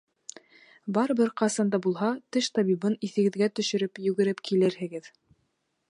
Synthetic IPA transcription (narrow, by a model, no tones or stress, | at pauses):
bɑɾɤ̆βɘɾqɑsɑnd̪ɑbulˠɦɑt̪ɘʃt̪ɑβibɤniθɘ̆ɡɘ̆ðɡæt̪ɵ̆ʃɘ̆ɾɘpjʉɡɘ̆ɾɘpkʰilɘɾɦɘ̆ɡɘð